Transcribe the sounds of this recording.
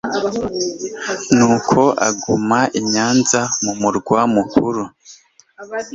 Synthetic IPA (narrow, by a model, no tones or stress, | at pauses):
nuːkʰo̞ʔa̰ɡumaʔiɲaːnzamumuɾɡwamukuɾu